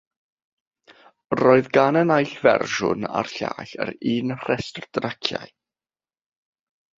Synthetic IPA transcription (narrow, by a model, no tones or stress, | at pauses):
roːɨðɡanənajɬvɛ̰rʒʊna̰rɬa̰ːɬə̰ɾiːnr̥ɛstrdrakʰjaj